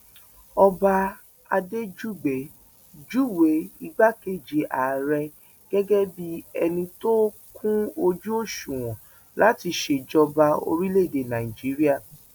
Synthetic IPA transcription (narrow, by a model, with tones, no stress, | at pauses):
ɔ˧ba˧ | a˧de˦d͡ʒu˦˨ɡ͡bɛ˨˦ | d͡ʒu˦we˨˦i˧ɡ͡ba˦ke˦˨d͡ʒe˨ʔa˨ɾɛ˧ | ɡ̥ɛ˦ɡɛ˦bi˦ɛ˧nĩ˧to˦ | kʰũ˦o˧d͡ʒu˦o˦˨ʃũ˨w̃ɔ̃˨ | la˨˦ti˧ʃe˧˨d͡ʒɔ˧ba˧o̰˧ɾi˦le˦˨de˨nã˨i˨d͡ʒi˨˦ɾi˦a˦˨